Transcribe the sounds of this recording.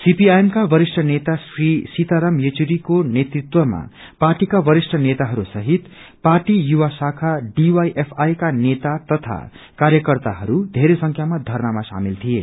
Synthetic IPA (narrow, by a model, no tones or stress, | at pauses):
sipiajemkabʌɾisʈʰʌnet̪asrisit̪aɾʌmjet͡suɾikonet̪rit̪wʌma̰ | parʈikabʌɾisʈʰʌnet̪aɦʌɾusʌɦit̪ | parʈijuwasakʰaɖiwajʔepʰajkanet̪at̪ʌt̪ʰa̰ | kaɾjʌkʌrt̪a̰ɦʌɾud̪ʱeɾesʌŋkʰjamad̪ʱʌrnamasa̰milt̪ʰije